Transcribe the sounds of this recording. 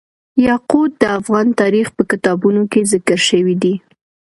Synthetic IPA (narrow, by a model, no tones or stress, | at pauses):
jɑqud̪̚d̪əafɣɑnt̪ɑɾixpəkɪt̪ɑbunokezɪkəɾʃəwid̪i